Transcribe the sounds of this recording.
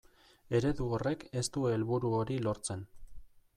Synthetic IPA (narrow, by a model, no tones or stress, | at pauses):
e̞ɾe̞ðuore̞ke̞st̪ueelβuɾuo̞ɾilo̞ɾt͡se̞n